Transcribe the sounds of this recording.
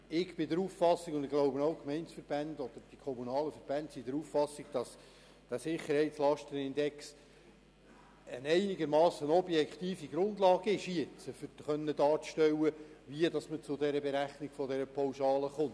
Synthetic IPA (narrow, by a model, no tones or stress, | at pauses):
ɪɡb̥ɪdəɾuːffɑsːikʊnd̪ɪɡ̥loʊbənoʊkmɛɪnsfəɾb̥ænd̥ɔd̪̥əɾd̥ikʰɔmunɑːləfəɾb̥æntsidəɾuːffɑsɪɡ̥d̥ɑs | d̥æːsɪχːəɾhɛɪtslɑʃtənɪndɛks | ənɛɪnɪɡəɾmɑːsənɔbjɛkχt̪iːfiɡɾʊndlɑːɡ̥əɪʃjet͡səfʏ̥χœnːədɑːt͡sʃtɛwəʋiədɑsmət͡sʊdɛɾəbɛɾæχnɪɡ̥fɔdɛɾəpʰawʃɑːləχʊnt